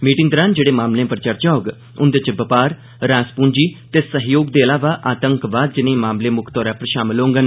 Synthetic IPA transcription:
miːʈɪ̃ŋɡd̪əɾãːnd͡ʒeːɽeːmaːmlẽːpəɾt͡ʃəɾt͡ʃaːɡ | ʊnd̪et͡ʃɪbəpaːɾ | ɾaːspuːnd͡ʒiːt̪eːsəɦjoːɡd̪eːəlaːʋaːʔaːt̪ə̃ŋkʋaːd̪̚d͡ʒɪnẽːmaːmlẽːmʊkʰt̪ɔːɾɛːpəɾʃaːmɪlõːŋɡən

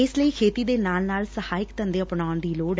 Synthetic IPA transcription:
ɪsləiːkʰeːt̪iːd̪eːnaːlnaːlsəhaːɪkt̪ənd̪eːəpɳaːʊnd̪iːloːɖ

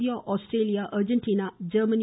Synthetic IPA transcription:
iaʔɔsʈɾeliaʔəɾd͡ʒə̃nʈiːnad͡ʒəməni

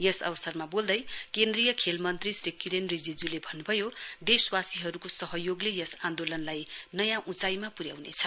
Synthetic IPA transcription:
jʌsʌ̰bʌsʌrmabold̪ʌjkend̪rijʌkʰelmʌnt̪risrikːiɾenrid͡zid͡zulebʱʌnːubʱʌjod̪eswasiɦʌɾukosʌɦʌjoɡlejʌsãnd̪olʌnlajnʌjãʔut͡sajmapuɾjawnḛt͡sʰʌ̥

